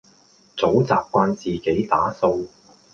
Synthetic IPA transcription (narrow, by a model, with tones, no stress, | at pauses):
t͡so˨˥wt͡sa̰ː˨p̚kʷaː˧nt͡siː˨ke˨˥jt̪aː˨˥so˧w